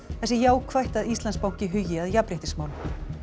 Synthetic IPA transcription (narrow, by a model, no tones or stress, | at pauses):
θɛsɪjaːwkʰvajht̪aðist̪lanspawŋ̥cɪɦʏjɪaðjapɾɪht̪ɪsmawl